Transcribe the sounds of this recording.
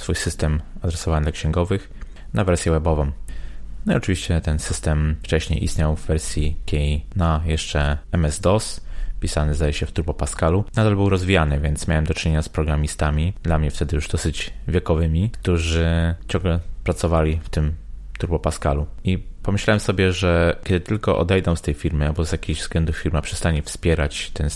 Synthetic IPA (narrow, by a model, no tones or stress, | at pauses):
sfujsɘst̪ɛmad̪ɾɛsɔvaɲd̪lakɕɛŋɡɔvɘx | navɛɾsʲjɛwɛbɔvɔ̃mnɔḭɔt͡ʂɘvʲiɕt͡ɕɛt̪ɛnsɘst̪ɛmft͡ʂɛɕɲḛjʔḭst̪ɲawvːɛɾsʲjikʲʰɛjnajɛʂt͡ʂɛɛmɛzd̪ɔspʲisanɘzd̪ajɛɕɛft̪uɾbɔpaskalunad̪albɘwɾɔzvʲijanɘvʲjɛnt̪smʲawɛmd̪ɔt͡ʂɪɲeɲaspɾɔɡɾamʲist̪amʲid̪lamɲɛft̪ɛd̪ɘjuʐd̪ɔsɘd͡ʑvʲjɛkɔvɘmʲikt̪uʐɘt͡ɕɔ̃ŋɡlɛpɾat̪sɔvalʲift̪ɘmt̪uɾbɔpaskaluipɔmɘɕlawɛmsɔbʲjɛʐɛkʲɛd̪ɘt̪ɘlkɔʔɔ̰d̪ɛjd̪ɔw̃st̪ɛjfʲiɾmɘabɔzjakʲiʑvzɡlɛnd̪ufʲiɾmapʂɛ̥st̪aɲɛfspʲjɛɾat͡ɕt̪ɛn